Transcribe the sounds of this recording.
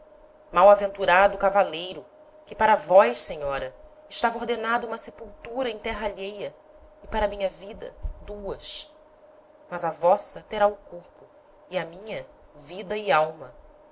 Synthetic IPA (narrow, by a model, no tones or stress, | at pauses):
mawavẽnt̪uɾad̪ʊkavalejɾʊ | kɪpaɾɐvɔjʃsẽɲɔɾɐ | ɪʃt̪avɐoɾd̪enad̪ɐũmɐsepuwt̪uɾɐẽj̃t̪ɛɦɐaʎejɐ | ɪpaɾɐmĩɲɐvid̪ɐ̰d̪uɐs | mɐzɐvɔsɐt̪eɾaʊkoχpʊ | ɪɐmĩɲɐ | vid̪ɐɪawmɐ